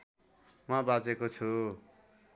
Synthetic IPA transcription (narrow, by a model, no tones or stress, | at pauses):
mʌbad͡zekot͡sʰu